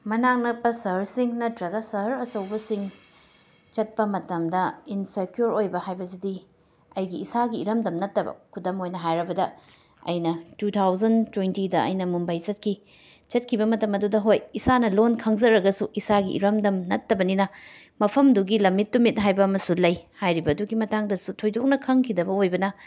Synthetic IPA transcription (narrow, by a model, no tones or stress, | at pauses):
mɐnaŋnɐpːɐsɐɾsiŋnɐtɾɐɡɐsɐɾɐsɐwbɐsiŋ | t͡ʃɐt̚pɐmɐtɐmdɐinsekjoɾojbɐhajbɐsidi | ɐjɡiːsaɡiːɾɐmdɐmnɐtːɐbɐ̰kʰudɐmojnɐɦajɾɐbɐdɐ | ɐ̰jnɐtutʰawzɐntwentidɐɐ̰jnɐmumbɐjt͡ʃɐt̚kʰi | t͡ʃɐt̚kʰibɐmɐtɐmɐdudɐɦojisanɐlonkʰɐŋzɐɾɐɡɐsuʔisaɡḭʔḭɾɐmdɐmnɐtːɐbɐninɐ | mɐpʰɐmduɡilɐmːit̚ːumit̚nɦajbɐːmɐsulɐjhajɾibɐːduɡimɐtaŋdɐsutʰojdok̚nɐkʰɐŋkʰidɐbɐojbɐnɐ